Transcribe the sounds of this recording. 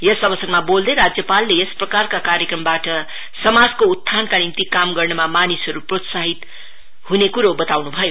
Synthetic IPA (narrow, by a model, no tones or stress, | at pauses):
jʌsʌbʌsʌrmabold̪eɾad͡zjʌpalːeesprʌkarkakaɾjekrʌmbaʈʌ | sʌmad͡zkout̪ʰːankanimt̪ikamɡʌrnʌmamanisɦʌɾuprot̪saɦit̪ | hunekuɾobʌt̪awnubʱʌjo